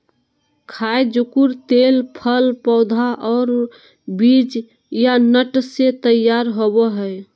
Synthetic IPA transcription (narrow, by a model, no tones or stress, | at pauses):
kʰaed͡ʒukuɾt̪elpʰəlpɔʊd̪ʱaʔɔːɾ | bid͡ʒ | janəʈset̪əjaɾɦobəɦəj